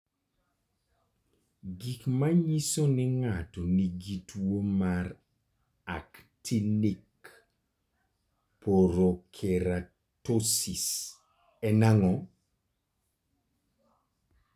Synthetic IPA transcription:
ɡikmaɲisonɪŋatɔniɡitwomaɾ | a̰ktʰinik | poɾokʰeɾa | tosis | ɛnaŋɔ

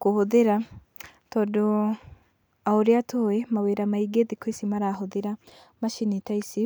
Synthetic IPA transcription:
kuhoðeɾa | todo | aoɾjatʰowemaweːɾamaiɡeðikwesimaɾaɦoðeɾa | maʃinitaisi

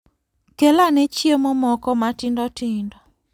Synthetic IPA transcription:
kelanet͡ʃjemomɔkɔmatɪndɔtɪndɔ

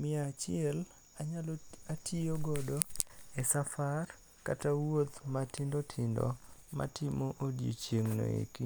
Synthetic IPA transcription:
mɪat͡ʃɪɛl | aɲalatʰioɡɔdoɛsafar | katawot̪matɪndotʰɪndɔ̰ma̰tɪmoʔodijo̰t͡ʃjeŋno̰ḭki

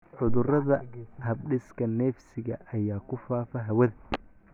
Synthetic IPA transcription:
ʕʊðʊrɐðɐhɐbɖɪskʰɐnɛːfsɪɣɐʔɐjaːkʰʊfaːfɐɦɐwɐð

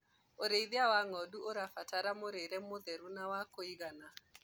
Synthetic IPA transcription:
oɾeiðiawaŋɔduoɾafataɾamoɾeɾɛmoðeɾunawakoiɣana

